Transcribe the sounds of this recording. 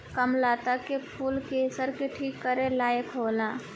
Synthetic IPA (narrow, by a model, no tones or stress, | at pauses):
kəmlat̪akepʰulkesəɾkeʈʰikːəɾelaːjəkɦoːla